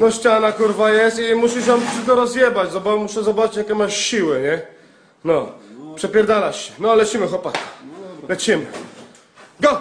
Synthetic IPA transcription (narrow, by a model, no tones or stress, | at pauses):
nɔɕt͡ɕanakuɾvajɛst̪imuɕiɕɔmpsɘt̪ɔɾɔzjɛbad͡ʑzɔbamuʂɛzɔbat͡ʃɨt͡ɕjakʲɛmaʂɕiwɘɲɛ | nɔpʂɛpʲjɛɾd̪alaɕɕɛ̥nɔlɛt͡ɕimɘxɔpat̪ḁlɛt͡ɕimɘ | ɡɔ